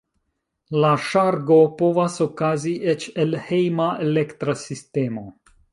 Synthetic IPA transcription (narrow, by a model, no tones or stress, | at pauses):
laʃaɾɡo̞po̞vaso̞kaziʔet͡ʃe̞lhejmaelektɾasiste̞mo̞